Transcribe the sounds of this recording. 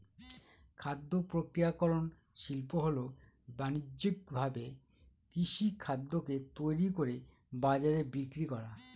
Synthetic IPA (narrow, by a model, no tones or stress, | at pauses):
kʰad̪ːopɾokɾijakɔɾon | ʃilpoɦolo | banidik̚bʱabe | kɾiʃikʰad̪ːoket̪ojɾikoɾe | bad͡ʑaɾebikɾikɔɾa